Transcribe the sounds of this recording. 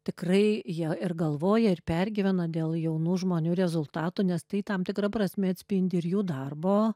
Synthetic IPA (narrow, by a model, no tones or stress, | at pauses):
t̪ʲɪkrɐɪjiɛɪrɡɐlˠʋoːjɛɪrpʲɛrʲɡʲɪʋʲɛnɐd̪ʲeːlˠjɛʊnuːʒmoːnʲuːɾʲɛzʊlˠt̪ɑːt̪unʲɛst̪ɐɪt̪ɐmt̪ʲɪkrɐprɐsʲmʲɛɐt̪ʲsʲpʲɪnʲd̪ʲɪɪɾjuːd̪ɐrboː